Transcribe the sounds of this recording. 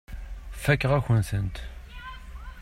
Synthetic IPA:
fækːəʁæçənθənt̪

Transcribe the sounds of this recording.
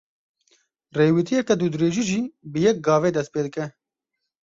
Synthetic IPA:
reːwit̪ʰijɛkɛd̪ud̪ɨɾeːʒiːʒiːbəjɛk̚ɡɑːveːd̪ɛst̪peːd̪ɨkɛ

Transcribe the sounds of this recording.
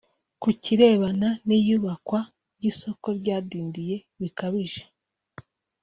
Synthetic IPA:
kuciɾe̞ːβananijuβakwa | jiso̞ko̞ɾɟaːdiːndije̞ | βikaβiʒḁ

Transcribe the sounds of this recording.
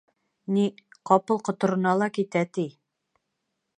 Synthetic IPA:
niqɒpɤlˠqŏt̪ŏɾɤ̆nɑlˠɑkit̪æt̪i

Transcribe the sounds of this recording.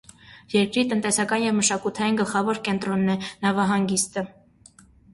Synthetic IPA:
jɛɾkɾit̪ənt̪ɛsɑkɑnjɛvməʃɑkut̪ʰɑjinɡəlχɑvɔɾkɛnt̪ɾɔnːɛnɑvɑɦɑŋɡist̪ə

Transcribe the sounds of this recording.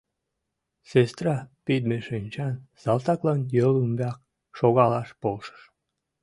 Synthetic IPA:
sest̪rɑpid̪̚meʃenʲt͡ɕɑnz̥ɑlt̪ɑklɑnjəlumbɑk̚ | ʃoɣɑlɑʃpolʃə̥ʃ

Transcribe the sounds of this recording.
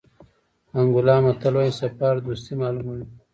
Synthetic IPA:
aŋɡʊlɑːmat̪alwajsapaːɾd̪ust̪imaːlumaɽi

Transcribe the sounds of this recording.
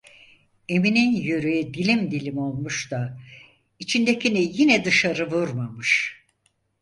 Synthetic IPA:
e̞mininjøɾyjɛd̪ilʲimd̪ilʲimo̞lˠmuʃt̪a | it͡ʃʰind̪e̞cʰinɛjinɛd̪ɯʃaɾɯvuɾmamɯʃ

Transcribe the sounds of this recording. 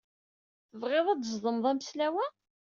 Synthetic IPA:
θəvʁeðˤæd̪zðˤəmðˤæməslæwæ

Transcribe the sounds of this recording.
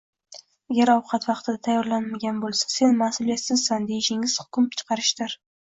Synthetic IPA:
aɡʲaɾɒwqʰɑt̪vɑqt̪ʰɪd̪at̪ʰajːɒɾlanmaɡʲanbolˠsḁse̞nmasʊlˠijat̪sɪz̥sand̪e̞jɪʃɪŋɪz̥hʊ̥kʲʊmt͡ʃʰɨ̥qʰɑɾɪʃd̪ɪɾ

